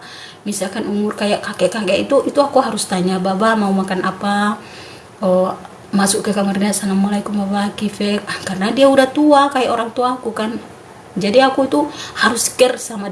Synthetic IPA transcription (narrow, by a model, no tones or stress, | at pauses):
misakanumurkajaʔkakɛʔkakɛit̪uʔit̪uakuɦaɾust̪aɲababamaumakanapa | ɔ | masuʔkɛkamarinasaŋamalaikuʔmabakifɛkarnadiaudaht̪uakajaʔɔɾaŋt̪uakukan | d͡ʒadiakuit̪uhaɾuskɛrsama